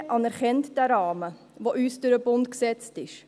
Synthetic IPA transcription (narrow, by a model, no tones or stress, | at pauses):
ʔɑnɛɾχɛntd̥æɾɑːmə | ʋoʔyːsd̥ʊɾəbʊntksɛt͡stɪʃ